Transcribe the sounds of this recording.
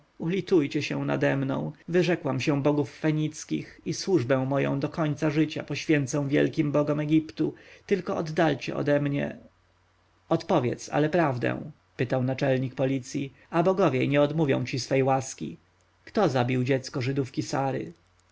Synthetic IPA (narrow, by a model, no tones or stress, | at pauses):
ulʲit̪ujt͡ɕɛɕɛw̃na̰d̪ɛmnɔ̰̃w̃vɘʐɛkwamɕɛ̃bɔɡufːɛɲit̪skʲḭxiswuʐbɛ̃w̃mɔjɔ̰̃w̃d̪ɔkɔɲt̪saʐɘt͡ɕa̰pɔɕfʲjɛnt̪sɛ̃w̃vʲjɛ̰lkʲimbɔɡɔmɛɡʲipt̪ut̪ɘlkɔɔd̪ːalt͡ɕɛ̰ʔɔ̰d̪ɛmɲɛ̰ | ɔt̪pɔvʲjɛ̰t̪sa̰lɛpɾavd̪ɛ̰̃w̃ | pɘt̪awnat͡ʂɛlɲik̚pɔlʲit̪sʲji | abɔɡɔvʲjɛɲɛɔd̪muvʲjɔ̰̃w̃t͡ɕisfɛjwaskʲḭ | kt̪ɔzabʲiwd͡ʑɛt̪skɔʐɘd̪ufkʲisaɾɘ̰